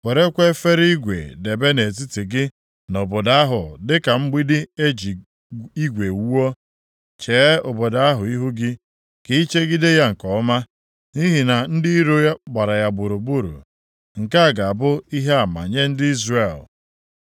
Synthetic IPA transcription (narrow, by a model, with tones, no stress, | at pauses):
we˨ɾe˦kʷe˦fe˦ɾi˦ɡʷḛ˨de˨be˦ne˨t̬i˦ti˨ɡɪ˦ | no˨bo˨da˦ɦʊ˨dɪ˦ka˨m̩˦ɡ͡bi˦dɪ˦e˦d͡ʒi˨ | i˦ɡʷe˨˦o˦ | t͡ʃe˨˦o˨bo˨da˦a˦ɦʊ˨i˦ɦu˦ɡɪ˦ | ke˨˦i˦t͡ʃe˦ɡɪ˦de˦ja˦ŋ̩˨kɔ˨˦ma˦ | ni˦ɦi˨na˨n̩˦dɪ˦i˦ɾo˦ja˦ɡ͡ba˨ɾa˨ja˨bu˨ɾu˨bu˦ɾṵ˨ | ŋ̩˨ka˦a˨ɡa˨a˨bʊ˦i˦ɦe˦a˨ma̰˨ɲe˦n̩˦dɪ˦i˦zre˨l